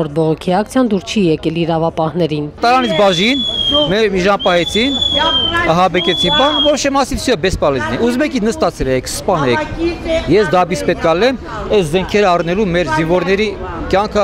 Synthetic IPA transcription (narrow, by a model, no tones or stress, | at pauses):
ɔɾt̪̚bɔʁɔkʰiɑk̚t͡sʰjɑnd̪uɾt͡ʃʰijɛkɛliɾɑvɑpɑhnɛɾint̪ɑɾɑnit͡sʰbɑʒinmɛmiʒɑmpɑɦɛt͡sʰin | ɑɦɑbɛkɛt͡sʰinbɑnvɔɾɔʃɛmɑsivsʰiɛbɛspɑlɛznɛuzmɛkinəst̪ɑt͡sʰɛlɛkʰspɑnɛ | jɛsd̪ɑbispɛt̪̚kʰɑlɛm | ɛszɛŋkʰɛɾəɑrnɛlumɛɾzinvɔɾnɛɾi | kjɑŋkʰə